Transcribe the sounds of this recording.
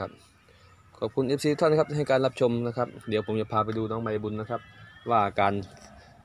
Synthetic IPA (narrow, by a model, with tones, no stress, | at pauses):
a˦˥p̚ | kʰɔː˨˩p̚kʰu˧nʔeː˦˥p̚siː˧˦t̪ʰa˥˩nkʰa˦˥t͡ɕa˧˩ɦa˨˩jkaː˧nla˦˥p̚t͡ɕʰo˧mna˦˥kʰa˦˥p̚di˨˦wpʰo˩˦mt͡ɕa˧˩pʰaː˧p̬a˧jduː˧nɔː˦˥ŋma˧jbu˧nːa˦˥˩kʰa˦˥p̚waː˧˩kaː˧n